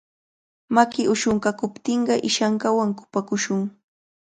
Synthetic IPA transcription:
makɪʔʊʃoɴkakʊpt̪ɪɴɢɑʔɪʃaɴkawaŋkʊ̥pakʊʃʊŋ

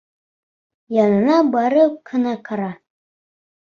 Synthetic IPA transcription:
jɑnɤ̆nɑbɑɾɤqʰɤ̆nɑqʰɑɾɑ

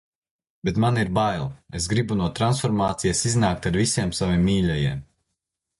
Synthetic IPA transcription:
bet̪maniɾbajlˠes̬ɡɾibunuɔt̪ɾansfɔɾmaːt̪sijasiznaːk̚t̪aɾvisiɛmsavimːiːʎʲɛjiɛm

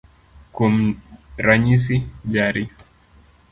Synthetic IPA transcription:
kum̩ɾaɲis̬id͡ʒaɾi

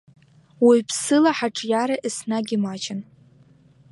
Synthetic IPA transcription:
wijpʰsɨlaħaʈ͡ʂʼjaɾaʔisnaɡʲimat͡ʃɪn

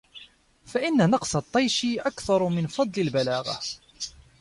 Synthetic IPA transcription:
faʔɪnːanɑqsˤɑt̪ˤːɑjʃiʔakθɑɾˤmɪnfɑd̪ˤlɪlbalaːɣa̰

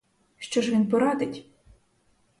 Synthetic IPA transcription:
ʃt͡ʃɔʒʋʲinpɔɾɑd̪ɪtʲ

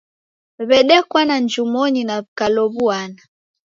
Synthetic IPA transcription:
βɛɗɛkwanand͡ʒumɔɲinaβikalɔβuana

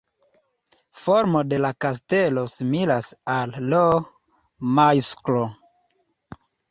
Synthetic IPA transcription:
foɾmo̞de̞lakas̬te̞lo̞similasalːo | majsklo

